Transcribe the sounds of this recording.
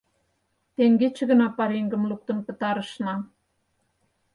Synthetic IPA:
t̪eŋɡet͡ɕə̆ɣə̆nɑpɑɾeŋɡə̆mluk̚t̪ə̆npə̆t̪ɑɾɤ̆ʃnɑ

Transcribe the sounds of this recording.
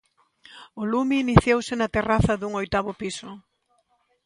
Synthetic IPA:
ʊlumiːniθjowsɪnɐt̪eraθɐðuŋojt̪aβʊpisʊ

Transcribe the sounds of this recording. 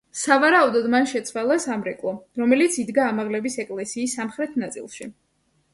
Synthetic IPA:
savaɾaud̪ɔd̪manʃɛt̪sʰwalˠasamɾɛkʼlˠɔɾɔmɛlit̪sʰid̪ɡaːmaʁlɛbisɛkʼlɛsiːsːamχɾɛt̪ʰnat̪sʼḭlˠʃi

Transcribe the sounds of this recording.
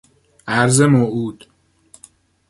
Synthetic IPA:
ʔæɾzemoʔuːd̪̥

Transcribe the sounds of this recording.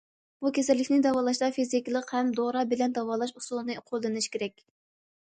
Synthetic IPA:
b̥ukʲʰesɛlːɪkʲnɪd̪ɑwɑːlˠɑʃd̪ɑfizikʲlˠəqhɛmd̪oɾɑbɪlɛnd̪ɑwɑːlˠɑʃusulˠɨnɨqʰolˠːɨnɪʃkʲeɾɛkʲ

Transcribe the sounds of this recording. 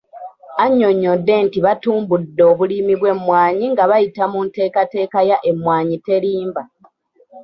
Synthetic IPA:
aɲːo̞ɲːo̞dːe̞ntiβatuːmbudːo̞ːβuliːmiβwe̞mwaːɲiŋɡaβajitamunte̞ːkate̞ːkajaʔe̞mwaːɲite̞liːmba

